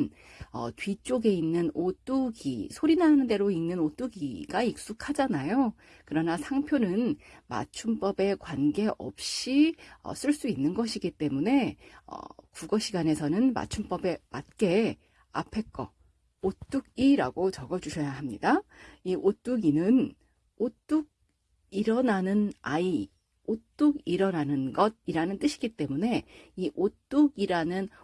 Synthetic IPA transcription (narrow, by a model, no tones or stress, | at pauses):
n | ʌ̰tɥit͡ɕ͈oɡe̞inːɯnot͈uɡḭsʰoɾinɦanɯnde̞ɾoinːɯnot͈uɡiɡaik̚s͈ukʰad͡ʑanajo | kɯɾʌnasʰaŋpʰjonɯnma̰t͡ɕʰump͈ʌbe̞kwanɡe̞ʔʌ̰p̚ɕ͈iʌ̰s͈ɯɭs͈uinːɯnɡʌɕʰiɡit͈e̞mune̞ʌ̰kuɡʌɕʰiɡane̞sʰʌnɯnma̰t͡ɕʰump͈ʌbe̞mat̚k͈e̞ | a̰pʰe̞k͈ʌ | ot͈uɡiɾaɡot͡ɕʌɡʌd͡ʑuɕʰʌjaɦamɲidaiʔot͈uɡinɯn | ot͈uɡ̚ | iɾʌnanɯnai | ot͈uɡiɾʌnanɯnɡʌd̚iɾanɯnt͈ɯɕʰi̥ɡit͈e̞mune̞iʔot͈uɡiɾanɯn